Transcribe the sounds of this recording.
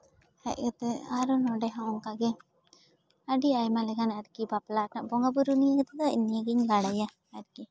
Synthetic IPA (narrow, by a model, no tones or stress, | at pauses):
ha̰ɡat̪ɛaɾɔnɔɖɛɦãɔŋkaɡɛ | aɖiajmalɛɡanaɾkibaplanaʔbɔŋɡabuɾunijaɡat̪ɛd̪ɔḭnːijaɡiɲɡaɽaja | aɾki